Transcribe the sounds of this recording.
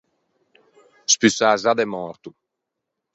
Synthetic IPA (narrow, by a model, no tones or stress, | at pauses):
spysaːzad̪ɛmɔ̃ːɾt̪u